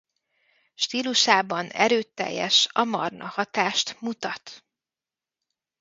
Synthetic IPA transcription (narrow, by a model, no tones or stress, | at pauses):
ʃt̪iːluʃaːbɒnɛ̰ɾøːt̪ːɛ̰jːɛ̰ʃɒmɒ̰rnʔɒhɒt̪aːʃt̪mut̪ɒt̪